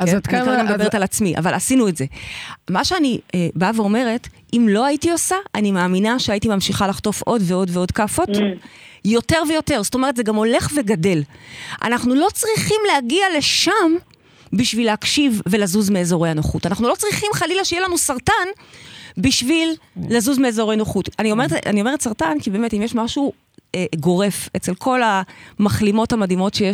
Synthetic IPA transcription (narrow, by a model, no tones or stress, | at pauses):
taamdabeet̪alat͡smiʔa̰valasinuetze̞maʃeanibaveo̞me̞ʁe̞t | imlo̞aitio̞saanimaːminaʃeaitimamʃiχalaχto̞fʔo̞dveo̞dveo̞dkafo̞t | jo̞teʁve̞jo̞te̞ʁzsotome̞etz̥eɡamo̞le̞χve̞ɡade̞lʔa̰naχnulo̞t͡sʁiχimlehaɡiale̞ʃam | biʃvilehakʃivːe̞lazuzmeːzo̞ʁejanoχutanaχnulo̞t͡sʁiχimχalilaʃejelanusaʁtanbiʃvilːazuzmeːzo̞ʁejnoχutanio̞meeta̰nio̞me̞etsaʁtankibeːmetimjeʃmaʃu | ɡo̞ʁe̞fet͡se̞lkʰo̞lamaχlimo̞thamadimo̞tʃeje